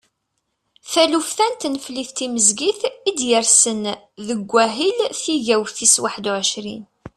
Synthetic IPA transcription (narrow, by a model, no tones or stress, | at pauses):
θælufθænt̪nəfliθt̪iməzɡiθid̪jəɾsən | ðəɡʷːæɦilθiʝæwθiswaħd̪uʕəʃɾḭn